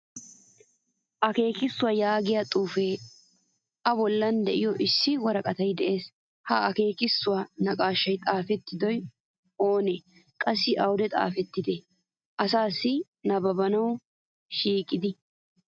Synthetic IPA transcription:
ʔɐke̞ːkɪsːʊwajaːɡɪjat̪ʼuːfeː | ʔɐbɔlːɐnd̪ɛʔɪjɔʔɪsːɪwɐɾɐkʼɐt̪ɐjd̪ɛʔe̞ːs | hɐɐke̞ːkɪsːʊwanɐkʼaːʃːɐjt̪ʼaːfɛt̪ːɪd̪ɔj | oːne | kʼɐsːɪʔɐwʊd̪ɛt̪ʼa̰ːfɛt̪ːɪd̪ɛ | ʔɐsaːsːɪ | nɐbɐbɐnɐw | ʃiːkʼːɪd̪ɪ

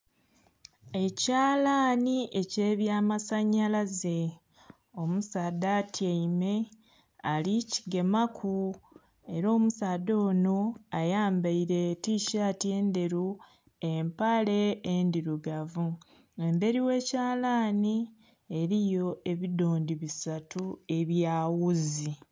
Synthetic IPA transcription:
e̞caːlaːniʔe̞ceːβjaːmasaɲːalaze | o̞musaːdatʰjaime̞ | alici̥ɡe̞makʰu | e̞ɾo̞ːmusaːdo̞ːno̞ajaːmbaiɾe̞tiʃaːtje̞ːnde̞ɾu | e̞mpale̞ːndiɾuɡavu | e̞mbe̞ɾiwe̞ːcaːlaːni | e̞ɾijo̞e̞βido̞ːndiβisatue̞βjaːwuzi

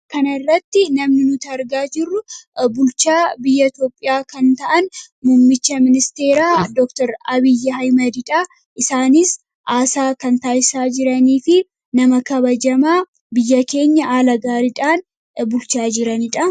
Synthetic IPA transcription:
kɐnɐrːɐt̪ːɪnɐmnɪnʊt̪ɐɾɡaːd͡ʒɪrːʊbʊlt͡ʃaːbɪjːɐt̪joːpʼːɪjaːkɐnt̪ɐʔɐn | mʊmːɪt͡ʃːɐmɪnɪst̪e̞ːɾaːd̪ɔkt̪ɐɾɐbɪjːɐɦɐjmɐd̪ɪᶑaː | ʔɪsaːnɪs | ʔaːsaːkɐnt̪aːjsaːd͡ʒɪɾɐniːfɪ | nɐmɐkɐbɐd͡ʒɐmaː | bɪjːɐke̞ːɲːɐaːlɐɡaːɾɪᶑaːn | bʊlt͡ʃaːd͡ʒɪɾɐnɪᶑɐ

